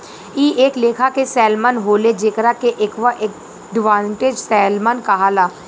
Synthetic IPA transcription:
iːʔeːkleːkʰakesɛːlmənɦoːled͡ʒeːkɾakeʔɪkʋaʔe | ɖʋãːɳʈed͡ʒsɛːlmənkɐɦalaː

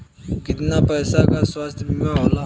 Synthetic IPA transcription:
kɪt̪napɛːsakaswast̪ʰmẽɦoːla

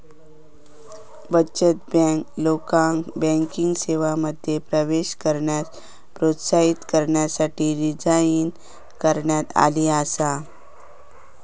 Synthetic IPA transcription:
bət͡ɕət̪̚bɛklokãŋbɛ̃ŋkiŋɡseʋaməd̪ʱjepɾəʋeɕkəɾɳjat | pɾot̪saɦit̪kəɾɳjasaʈiːɾid͡zain | kəɾɳjat̪a̰liasa

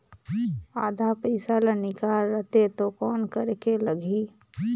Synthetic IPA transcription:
aːd̪ʱapəɪsalənɪkaːɾːət̪et̪okɔːnkəɾekeləɡʱiː

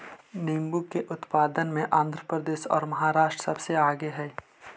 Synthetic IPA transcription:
neːmbukkːeʔʊt̪paːd̪ənmẽʔãːnd̪ʱɾəpɾəd̪eːʃɔ̰ːɾmɐɦaːɾaːʃʈɾsɐbseaːɡeɦɛː

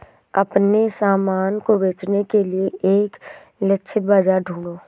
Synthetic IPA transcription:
ɐpnesaːmaːnkobeːt͡ʃnekelieeːk | lɪʃʰɪt̪̚bad͡ʒaɾɖʱũːɳoː

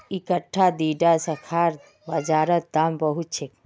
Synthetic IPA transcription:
ikəʈʰːad̪iːɖasɐkʰaːɾ | bɐd͡ʒaːɾət̪̚d̪ambəɦut̪̚t͡ʃʰek

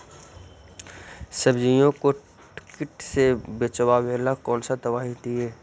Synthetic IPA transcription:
səbd͡ʒijõko | ʈɪ̥kɪʈsebet͡ʃəwaweːlakɔːnsat̪əbaːɦit̪iɦɛː

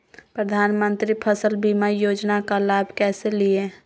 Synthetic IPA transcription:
pɾəd̪ʱaːnmə̃nt̪ɾipʰəsəlbimajoːd͡ʒnakalaːbʱkɛːselie

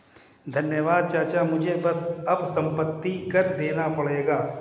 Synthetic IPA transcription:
d̪ʱɐnjəʋaːd̪̚t͡ʃaːt͡ʃamʊd͡ʒʱebɐsɐbsɐ̃mpət̪ːikɐɾd̪eːnapɐɽeːɡaː

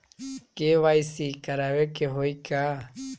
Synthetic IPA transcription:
keʋajsikaɾawekeɦoika

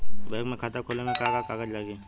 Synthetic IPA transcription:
bɛːkmẽkʰaːt̪akʰoːlemẽkaːkakaːɡəd͡ʒlaɡe

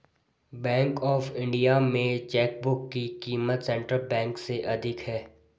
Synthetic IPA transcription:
bɛ̃ːŋkɔːfɪ̃ɳɖijamẽt͡ʃɛːk̚bʊkːikiːmət̪sɛ̃ɳʈɾəlbɛ̃ːŋkseʔɐd̪ʱɪkɦɛː

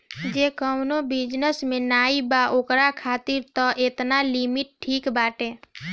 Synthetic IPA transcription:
d͡ʒeːkəmnobɪd͡ʒnəsmẽnaːibaʔoːkɾakʰaːt̪iɾt̪ɔʔet̪nalimɪʈ̚ʈʰːiːkbaːʈe

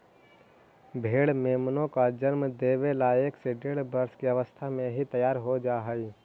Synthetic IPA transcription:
bʱeːɽmeːmnõkad͡ʒənmd̪eːʋelaːekseɖeːɽbəɾskiɐʋəst̪ʰamẽɦit̪əjaːɾɦod͡ʒaːɦəi

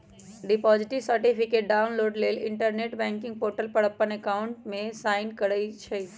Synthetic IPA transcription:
ɖɪpɔːd͡ʒɪʈɪʋsəɾʈipʰɪkeːʈ̚ɖaːʊnloːɖleːlɪ̰̃ɳʈəɾneːʈbɛ̃ːŋkɪ̃ŋɡ̚poːɾʈəlpəɽəpːənekaːʊɳʈmẽsaːɪnkəɽəit͡ʃʰɛ

